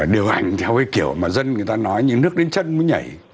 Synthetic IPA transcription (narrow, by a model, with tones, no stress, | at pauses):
ɗi˨˩əwʔa˧˩jŋ̟t̪ʰɛ˧wkaː˨˦jki˧˩əwmaː˨˩zə˧nŋɨ˨˩əjt̪aː˧nɔ˨˦jɲɨ̰˧˥ŋnɨ˦˥ək̚ɗe˨˦nt͡ɕə˧nmu˨˦ɲa̰˧˩j